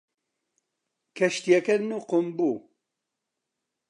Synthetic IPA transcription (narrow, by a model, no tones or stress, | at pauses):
kʰɛʃt̪ijɛkɛɾnuqombu